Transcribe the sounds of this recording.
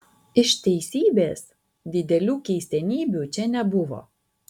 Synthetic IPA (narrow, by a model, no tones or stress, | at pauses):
ɪʃt̪ʲɛɪsʲiːbʲeːs | d̪ʲɪd̪ʲɛlʲuːkʲɛɪsʲɛnʲiːbʲuːˑt͡ʃʲɛnʲɛbʊʋo̰ː